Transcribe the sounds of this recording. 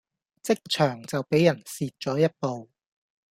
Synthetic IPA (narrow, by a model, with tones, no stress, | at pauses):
t͡sɪ˥k̚t͡ʃʰœː˨˩ŋt͡sɐ˨wpe˨˥jɐ˨˩nsiː˨t̚t͡ʃɔː˨˥jɐ˥t̚po˨w